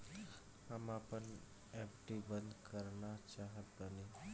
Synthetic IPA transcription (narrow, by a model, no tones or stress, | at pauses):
həmapən | ɛpʈibə̃nd̪kəɾnat͡ʃaːɦət̪̚bəni